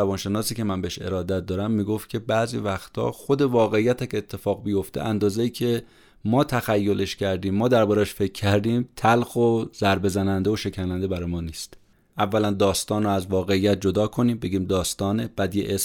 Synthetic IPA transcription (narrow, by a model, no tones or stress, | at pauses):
ævɒːnʃe̞nɒːsiːcʰe̞mænbeeʃe̞̰ɾɒːd̪æt̪̚d̪ɒːɾæmːiːɡoft̪̚cʰe̞bæːzḭvæxt̪ʰɒ̰ːxo̞d̪e̞vɒːɣeijːæt̪ʰæcet̪ʰːe̞fɒːɣbijo̞ft̪e̞̰ʔænd̪ɒːzeiːcʰe̞ | mɒːt̪ʰæxæjːo̞le̞ʃcʰæɾd̪iːmːɒːd̪æɾbɒːɾææʃfe̞cʰːæɾd̪iːmt̪ʰælxoz̥æɾbe̞zænænd̪eoʃe̞cʰænænd̪e̞bæɾɒːjmɒːniːst̪ | ʔævːælænd̪ɒːst̪ɒːnroæzvɒːɣeijːæt̪̚d͡ʒo̞d̪ɒːkʰo̞niːmbe̞ɡiːmd̪ɒːst̪ɒːneb̥æd̪ijḛʔes